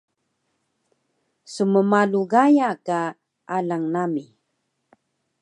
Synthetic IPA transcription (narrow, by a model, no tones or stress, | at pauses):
suməmaluɣajaka | ʔalaŋnami